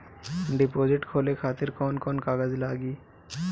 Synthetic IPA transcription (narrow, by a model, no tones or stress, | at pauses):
ɖɪpoːd͡ʒɪʈkʰoːlekʰaːt̪ɪɾkɔːnkɔːnkaːɡəzlaːɡiː